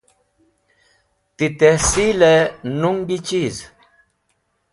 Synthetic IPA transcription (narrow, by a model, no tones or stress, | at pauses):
t̪it̪ehsilenuŋɡit͡ɕiz